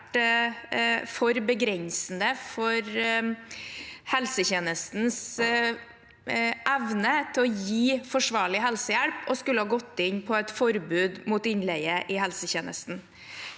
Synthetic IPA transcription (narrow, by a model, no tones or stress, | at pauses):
ʈ | fɔɾbəɡɾɛnsn̩əfɔɾ | hɛlsəçeːnəst̪n̩s | ʔæʋnət̪ʰɪlɔjiːfɔʂʋɑːɭɪɦɛlsəjæɭpɔskʉlːəhɑːɡɔt̪ːɪnpʰɔɛt̪fɔɾbʉːd̪muːt̪ɪnlɛɪəʔɪhɛlsəçeːnə̰st̪n̩